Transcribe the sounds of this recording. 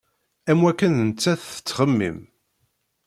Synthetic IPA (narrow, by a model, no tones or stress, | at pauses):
æmwækːənənət͡sːæθə̥t͡sːχəmːḭm